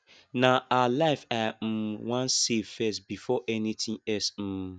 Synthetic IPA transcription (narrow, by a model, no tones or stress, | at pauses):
naaalaɪfam̩wãnsevfɛstbifɔʔɛnitĩŋɛsm̩